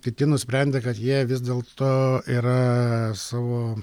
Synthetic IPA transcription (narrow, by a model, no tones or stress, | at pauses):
kʲɪt̪ʲɪnʊsʲpʲɾʲɛnʲd̪ʲeːkɐt̪jiɛʋʲɪzd̪ʲeːlˠt̪oːiːɾɐsɑːʋoː